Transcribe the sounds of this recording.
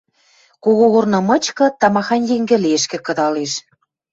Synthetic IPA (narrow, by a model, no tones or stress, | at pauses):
koɣoɣornɤ̆mɤ̆t͡ɕkɤ̆t̪ɑmɑxɑnjeŋɡɘ̆lieʃkĕkɤ̆d̪ɑleʃ